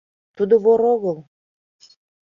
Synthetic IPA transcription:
t̪ud̪ŏβoɾoɣəlˠ

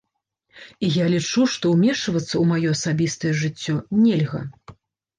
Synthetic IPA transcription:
ijalʲit͡ʂuʂt̪ɔwmʲɛʂɐvɐt̪sːɐwmajɔɐsabʲist̪ɐjɛʐɨt͡sʲːɔnʲelʲɣɐ̰

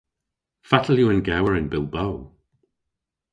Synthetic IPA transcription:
fatʰəlˠjuənɡɛwəɹɪnbɪlˠbow

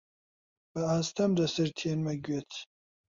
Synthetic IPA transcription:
b̥ɐaːst̪ʰɐmd̪ɐsɨɾt̪ʰienmɐɡɥet̪ʰ

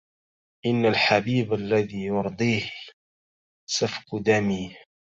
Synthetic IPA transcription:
ʔɪnːalħabiːbalːaðiːjʊɾˤd̪ˤiːh | safqd̪amiː

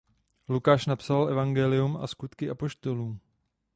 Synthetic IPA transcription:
lukaːʃnapsalʔɛvaŋɡɛlɪjuma̰skut̪kɪʔapo̞ʃt̪o̞luːm

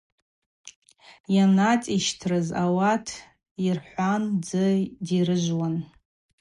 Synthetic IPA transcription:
janat͡sʼiʃtʰrɨzawatʰ | irħʷand͡zɨdirɨʒʷwan

